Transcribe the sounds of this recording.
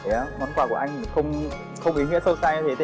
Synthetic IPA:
e˨˩˦mɔ˨˦nkwaː˧˩ku˧˩əʔa˧jŋ̟˨˩xə˧wŋ͡m | xə˧wŋ͡mʔi˨˦nwi˧˥ənsə˧wsaː˧jɲɨ˧t̪ʰe˨˦t̪e˧

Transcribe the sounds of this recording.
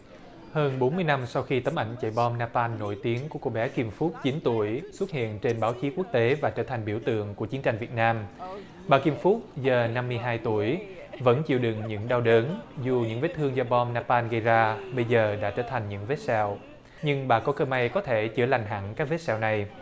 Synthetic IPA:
həː˧nɓo˨˦nmɨ˧əjna˧msa˧wxi˧t̪ə˨˦mʔa˧˩jŋ̟t͡ɕa̰˧˩jɓɔ˧mnaː˧paː˧nːo˧˩jt̪i˨˦əŋku˧˩əko̰˧˩ɓɛ˨˦ki˧mfu˦˥t̚t͡ɕi˨˦nt̪u˧˩əjswu˦˥t̚hḭ˧˨ənt͡ɕe˧nɓaː˨˦wt͡ɕi˨˦ku˦˥ək̚t̪e˨˦vaː˨˩t͡ɕəː˧˩t̪ʰa˨˩ŋ̟ɓi˧˩əwt̪ɨ̰˧˨əŋku˧˩ət͡ɕi˨˦ənt͡ɕa˧jŋ̟vi˨˩ət̚naː˧m | ɓaː˨˩ki˧mfu˦˥t̚zəː˨˩na˧mːɨ˧əjɦaː˧jt̪u˧˩əj | və̰˧˥nt͡ɕḭ˧˨əwɗɨ˨˩ŋɲɨ̰˧˥ŋɗa˧wɗəː˨˦nzu˨˩ɲɨ̰˧˥ŋve˨˦˥t̪ʰɨ˧əŋzɔ˧ɓɔ˧mnaː˧paː˧nɣə˧jzaː˧ɓə˧jzəː˨˩ɗa̰ː˧˥t͡ɕəː˧˩t̪ʰa˨˩jŋ̟ɲɨ̰˧˥ŋve˦˥t̚sɛ̰˧˨w | ɲɨ˧ŋɓa̰ː˧˩kɔ˨˦kəː˧ma˧jkɔ˨˦t̪ʰe˧˩t͡ɕɨ̰˧˩əla˨˩jŋ̟ɦa̰˧˥ŋkaː˦˥k̚ve˦˥t̚sɛ̰˧˨wna˨˩j

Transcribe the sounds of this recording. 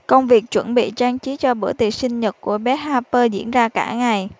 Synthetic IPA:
kə˧wŋ͡mvi˨˩ək̚t͡ɕwə˧˩nɓḭ˧˨t͡ɕaː˧ŋt͡ɕi˨˦t͡ɕɔ˧ɓɨ˧˩ət̪ḭ˨˩sï˧ŋ̟ɲə˨˩t̚ku˧˩əɓɛ˨˦˥haː˧pəː˧zḭ˧˥ənzaː˧kaː˧˩ŋa˨˩j

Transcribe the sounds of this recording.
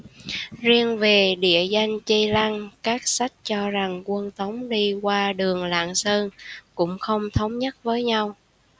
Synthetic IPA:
zi˧əŋve˨˩ɗḭ˧˨əza˧jŋ̟t͡ɕə˧la˧ŋkaː˦˥k̚sa˦˥jk̟̚t͡ɕɔ˧za˨˩ŋkwə˧nt̪ə˨˦wŋ͡mɗi˧kwaː˧ɗɨ˨˩əŋla̰ː˧˨nsəː˧nkʊ̰˧˥ŋ͡mxə˧wŋ͡mt̪ʰə˨˦wŋ͡mɲə˦˥t̚vəː˨˦jɲa˧w

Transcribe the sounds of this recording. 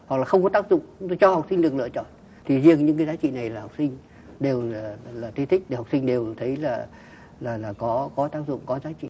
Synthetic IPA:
ha˨˩klaː˨˩xə˧wŋ͡mkɔ˨˦t̪aː˦˥k̚zʊ̰˧˨ŋ͡mt͡ɕʊ˨˦ŋ͡mt̪o˧jt͡ɕɔ˧ha˨˩k͡psï˧ŋ̟ɗɨ˨˩əklɨ̰˧˨ət͡ɕɔ̰˧˨n | t̪ʰi˨˩zi˧əŋɲɨ̰˧˥kaː˨˦zaː˨˦t͡ɕḭ˧˨na˨˩jlaː˨˩ha˨˩wk͡p̚sï˧ŋ̟ | ɗe˨˩wa˨˩laː˨˩t̪ʰi˨˦t̪ʰï˦˥k̟̚ɗha˨˩k͡psi˧ŋ̟ɗe˨˩wt̪ʰə˨˦jlaː˨˩ | laː˨˩laː˨˩kɔ˨˦kɔ˨˦t̪aː˦˥k̚zʊ̰˧˨ŋ͡mkɔ˨˦zaː˨˦t͡ɕḭ˧˨

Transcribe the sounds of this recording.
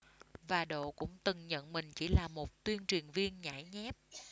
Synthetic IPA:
vaː˨˩ɗo̰˧˨kʊ̰˧˥ŋ͡mt̪ɨ˨˩ŋɲə̰˧˨nmï˨˩ŋ̟t͡ɕi˧˩˦laː˨˩mo˨˩t̚t̪wi˧ənt͡ɕwi˨˩ənvi˧ənɲa̰˧˩jɲɛ˦˥p̚

